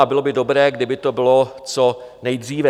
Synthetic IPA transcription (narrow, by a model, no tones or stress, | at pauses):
abɪlobɪdo̞bɾɛːɡdɪbɪt̪o̞bɪlo̞t͡so̞nɛjd̪r̝iːvɛ